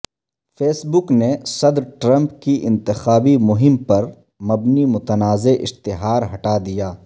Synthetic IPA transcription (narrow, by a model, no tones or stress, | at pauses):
feːsbʊknesɐd̪ɾʈɾɐ̃mpkiʔɪ̃nt̪ɪxaːbimʊɦɪmpɐɾ | mɐbnimʊt̪ənaːzeʔɪ̰ʃt̪ɪɦaːɾɦɐʈad̪ijaː